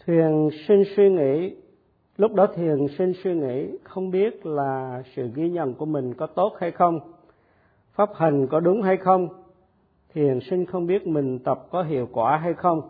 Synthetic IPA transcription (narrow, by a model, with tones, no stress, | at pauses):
t̪ʰwi˨˩ənsï˧ŋ̟swi˧ŋḭ˧˥ | lʊ˦˥k͡p̚ɗɔ˨˦t̪ʰi˨˩ənsi˧ŋswi˧ŋḭ˧˥˨xə˧wŋ͡mɓi˦˥ət̚laː˨˩sɨ̰˧˨ɣi˧ɲə̰˧˨nku˧˩əmï˨˩ŋ̟kɔ˨˦t̪o˦˥t̚ha˧jxə˧wŋ͡m | faː˦˥p̚hi˨˩ŋ̟kɔ˨˦ɗʊ˨˦ŋ͡mɦa˧jxə˧wŋ͡m | t̪ʰi˨˩ənsï˧ŋ̟xə˧wŋ͡mɓi˦˥ət̚mï˨˩ŋ̟t̪ə˨˩p̚kɔ˨˦ɦḭ˧˨əwkwaː˧˩ɦa˧jxə˧wŋ͡m